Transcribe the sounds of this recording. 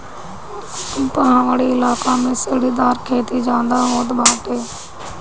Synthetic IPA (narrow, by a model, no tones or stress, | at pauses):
mp̪əɦãːʋaɽiːɪlaːkaːmẽːsəɽiːd̪aːɾkʰeːt̪iːd͡ʒãːnd̪aːɦoːt̪baːʈ̪eː